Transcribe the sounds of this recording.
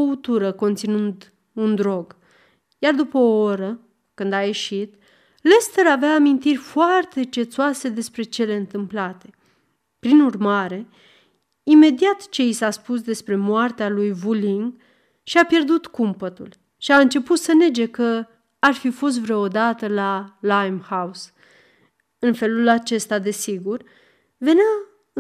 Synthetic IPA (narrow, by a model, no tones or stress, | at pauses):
out̪uɾəko̞nt̪sinund̪ | und̪ɾo̞ɡ | jard̪upəooɾə | kɨnd̪aje̞ʃit̪ | le̞st̪əɾaveaːmint̪irʲfoart̪e̞t͡ʃe̞t̪suase̞d̪e̞spɾe̞t͡ʃe̞le̞ɨnt̪ɨmplat̪e̞̥ | pɾinurmaɾe̞ | ime̞d̪iat̪t͡ʃe̞isaspus̬d̪e̞spɾe̞moart̪ealujvuliŋɡ | ʃiapje̞rd̪ut̪kumpət̪ṵl | ʃiaɨnt͡ʃe̞put̪səne̞d͡ʒe̞kə | arfifo̞s̬t̪vɾood̪at̪əlalajmhaus | ɨnfe̞lulat͡ʃe̞st̪ad̪e̞siɡur | ve̞nea